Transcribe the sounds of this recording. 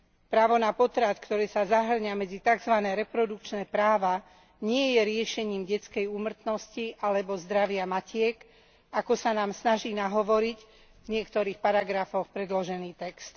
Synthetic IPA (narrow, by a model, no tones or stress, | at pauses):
pɾaːʋɔnapɔt̪ɾat̪kt̪ɔɾɛːsazaɦr̩ɲamɛd͡zit̪aɡzʋanɛːɾɛpɾɔd̪ukt͡ʃnɛːpɾaːʋa | ɲɪɛjɛɾɪɛʃɛɲiːmɟɛt͡skɛjuːmr̩t̪nɔsciʔalɛbɔzd̪ɾaʋɪamacɪɛk | akɔsanaːmsnaʒiːnaɦɔʋɔɾic | vɲɪɛkt̪ɔɾiːxpaɾaɡɾafɔxpɾɛd̪lɔʒɛniːt̪ɛkst̪